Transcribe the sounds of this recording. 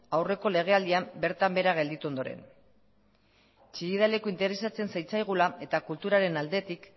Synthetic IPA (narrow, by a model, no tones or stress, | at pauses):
awre̞ko̞le̞ɣ̞e̞ald̪iambe̞ɾt̪ambe̞ɾaɣ̞e̞ld̪it̪uo̞nd̪o̞ɾe̞̰n | t͡ʃiɣiðale̞koint̪e̞ɾe̞sat͡se̞nsajt͡sajɣ̞ulae̞t̪akult̪uɾaɾe̞nald̪e̞t̪ik